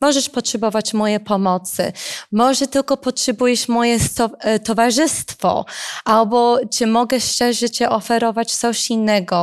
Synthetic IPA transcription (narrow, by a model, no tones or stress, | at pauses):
mɔʐɛʂpɔtʂɛbɔvat͡ɕmɔjɛpɔmɔt̪sɘ̰mɔʐɛt̪ɘlkɔpɔtʂɛbujɛʂmɔjɛsɔt̪ɔvaʐɘst̪fɔ̰ʔalbɔt͡ʂɘmɔɡɛʂt͡ʂɛʐɛt͡ɕɛʔɔfɛɾɔvat͡ɕt̪sɔɕinːɛɡɔ